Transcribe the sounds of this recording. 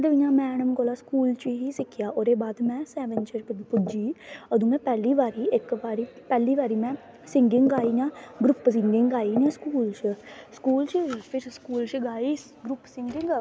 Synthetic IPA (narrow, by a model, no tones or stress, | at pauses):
d̪ʋijãːmɛ̃ːnəmkoːlaːskuːlt͡ʃiɦiːsɪkʰːɪjaːʔoɾeːbaːd̪mɛ̃ːsɛːʋənt͡ʃəɾpʊd͡ʒiːəd̪ũːɛ̃ːpɛːliːʋaːɾiːɪkʋaːɾiːpɛːliːʋaːɾiːmɛ̃ː | sɪŋɡɪŋɡaːiːɲãːɡɾʊpsɪŋɡɪŋɡaːiːnɛ̃ːskuːlt͡ʃəskuːlt͡ʃpʰɪɾskuːlt͡ʃɡaːiː | ɡɾʊpsɪŋɡɪŋɡ